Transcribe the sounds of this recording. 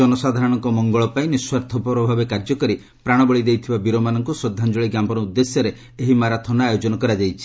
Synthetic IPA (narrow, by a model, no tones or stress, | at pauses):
ɔnɔsad̪ʱaɾɔɽ̃ɔŋkɔmɔŋɡɔɭɔpaj̃niswaɾt̪ʰɔpɔpɾɔbʱabekaɾd͡ʒɔkɔɾi | pɾaɽ̃ɔbɔɭid̪ejt̪ʰibabiɾomanɔŋkusɾɔd̪ʱːand͡ʒɔɭiɡampɔɾɔud̪ːesjɔɾe | eɦimaɾat̪ʰɔnaajod͡ʒɔnɔkɔɾad͡ʒajt͡ʃʰi̥